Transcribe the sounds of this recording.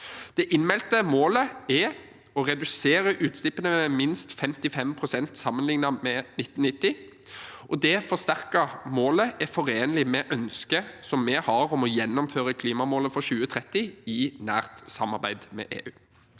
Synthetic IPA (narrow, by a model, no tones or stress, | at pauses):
d̪̥ɛʔɪnmɛlt̪əmoːləɛ | ɔʁɛd̪ʉseːɾəʔʉːt̪st̪ɪpːənəɛmɪnst̪fɛmt̪ɪfɛmpʰʁʊsɛnt̪sɑmːənlɪŋnɑmɛnɪt̪ːn̩ɪt̪ːɪ | ʔɔd̪ɛfɔʁst̪æʁkəmoːləʔɛfɔɾeːnəlɪmɛʔœnskəsɔmːɛhɑɾɔmɔjɛnːɔmføːɾəkʰliːmɑmoːləfɔɾɕʉːət̪ʰʁɛt̪ːɪɪnæ̰ːʁt̪sɑmɑʁbæɪd̪mɛ̰ʔḛːʔʉː